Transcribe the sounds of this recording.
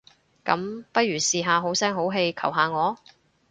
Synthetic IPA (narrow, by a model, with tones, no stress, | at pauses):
kɐ̰˨˥mpɐ˥t̚jyː˨˩siː˧ɦaː˨˧ɦo˨˥wsɛː˥ŋɦo˨˥wɦe˧jkʰɐ̰˨˩wɦaː˨˧ŋɔː˨˧